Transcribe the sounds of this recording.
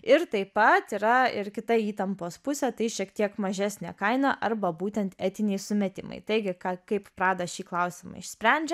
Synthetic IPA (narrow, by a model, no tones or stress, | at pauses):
ɪɾt̪ɐɪpɐt̪iːɾɐɪɾkʲɪt̪ɐiːt̪ɐmpoːspʊsʲɛt̪ɐɪʃʲiɛkt̪ʲiɛkmɐʒʲæːsʲnʲɛ̰ːkɐɪnɐʔɐɾbɐbuːt̪ʲɛnt̪æːt̪ʲɪnʲɛɪsʊmʲɛt̪ʲɪ̰mɐ̰ɪt̪ɐɪɡʲɪkɑkɐɪppɾɑːd̪ɐʃʲiːklˠɐʊsʲɪmɐ̰ɪʃsʲpʲɾʲɛnʲd͡ʒʲɛ